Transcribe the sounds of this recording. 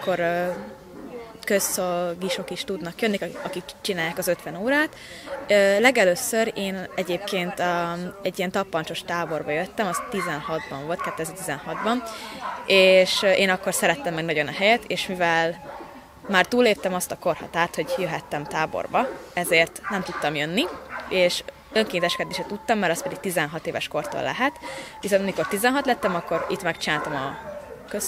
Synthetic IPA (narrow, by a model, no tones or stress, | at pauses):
kːo̞ɾ | kø̞sːolɡiʃo̞kiʃt̪ud̪nɒkjønːikɒkikt͡ʃinaːjaːkɒzøt̪ʋɛnoːɾaːt̪ | øːlɛɡɛløːsøɾeːnɛɟeːp̚keːnt̪ːɛɟːijɛnt̪ɒpːɒnt͡ʃo̞ʃt̪aːbo̞rbɒjø̞t̪ːɛmɒzt̪izɛnhɒd̪bɒɱvo̞lt̪kɛt̪ːøɛzɛrt̪izɛnhɒd̪bɒn | eːʃeːnɒkːo̞rsɛɾɛt̪ːɛmːɛɡnɒɟo̞nɒɦɛjɛt̪eːʃmivɛl | maːrt̪uːlːeːp̚t̪ɛmɒst̪ɒko̞rhɒ̰t̪aːrt̪ho̞ɟjøɦɛt̪ːɛmt̪aːbo̰rbɒɛzeːrt̪nɛmt̪ut̪ːɒmjønːieːʃ | ø̞ŋkeːnt̪ɛʃkɛd̪eːʃɛt̪ut̪ːɒmːɛɾɒst̪̚pɛd̪iɡ̥̚t̪izɛnɦɒt̪eːvɛ̰ʃko̞rt̪o̰lːɛ̰ɦɛt̪visont̪ɒmiko̞rt̪izɛnɦɒt̪lɛt̪ːɛmɒkːo̞ɾit̪mɛkt͡ʃinaːlt̪ɒmɒkøs